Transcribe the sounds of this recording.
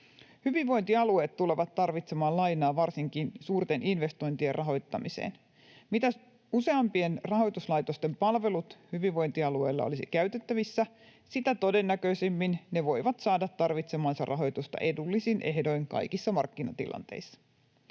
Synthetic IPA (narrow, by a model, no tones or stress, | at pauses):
hyʋiʋʋo̞jnt̪iɑlue̞ːt̪t̪ule̞ʋɑt̪ːɑrʋit̪se̞mɑːlɑjnɑːʋɑrsiŋkinsuːrt̪e̞nʔinʋe̞st̪o̞jnt̪ierʔɑɦo̞jt̪ːɑmisḛːn | mit̪æs | use̞ɑmpie̞nrɑɦo̞jt̪uslɑjt̪o̞st̪e̞mpɑlʋe̞lut̪hyʋiʋʋo̞jnt̪iɑlue̞̰jlːɑ̰olisḭkæɥt̪e̞t̪ːæʋisːæ | sit̪æt̪o̞de̞nːækø̞isemːinne̞ʋo̞jʋɑt̪sɑːdɑt̪ːɑrʋit̪se̞mɑːnsɑrʔɑɦo̞jt̪ust̪ɑ̰ʔe̞dulːisinʔe̞hdo̞jŋkɑ̰jkisːɑmɑ̰rkːinɑ̰t̪ḭlʔɑ̰nt̪ḛisːɑ̥